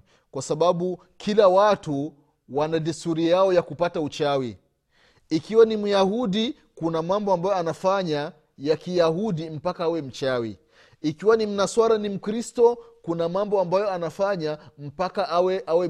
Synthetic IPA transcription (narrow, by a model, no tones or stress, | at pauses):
kwasaɓaɓu | kʰilawatu | wanadɛstuɾijaɔjakupataut͡ʃawi | ikiwanimujahuɗi | kunamambɔambajɔanafaɲa | jakijahuɗim̩pakaawɛm̩t͡ʃawḭ | ikiwanim̩naswaɾanim̩kɾistɔkunamambɔambajɔanafaɲam̩pakaʔawɛʔawɛ